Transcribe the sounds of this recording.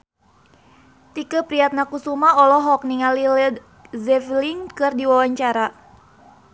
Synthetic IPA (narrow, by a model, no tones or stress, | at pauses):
t̪ikəpɾiat̪̚nakusumaɔlɔɦɔk̚niŋalil | zɛfliŋkɨrdiwawaɲt͡ʃaɾa